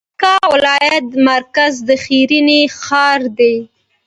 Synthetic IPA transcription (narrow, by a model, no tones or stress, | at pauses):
kɑwɪlɑjat̪̚maɾkazd̪əxiɾinixɑɾd̪e